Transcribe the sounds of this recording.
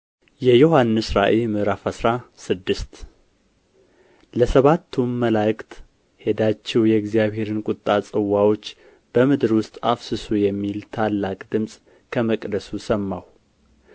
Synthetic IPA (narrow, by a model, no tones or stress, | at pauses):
jɛjohanːɨsɾaʔemɨɾafəsɾasɨd̪ːɨst̪ | ləsəβat̪ʰːumməlakʼt̪ | he̞d̪at͡ʃːɛwjɛɨɡzijaβhe̞ɾɨnkʼʊt̪ʼːat͡sʼɨwːawo̞t͡ʃː | b̥əmɨd̪ɨɾwʊst̪ʼafsɨsujɛmːilt̪ʰalːakʼd̪ɨmsʼ | kʰəməkʼd̪əsusəmːaw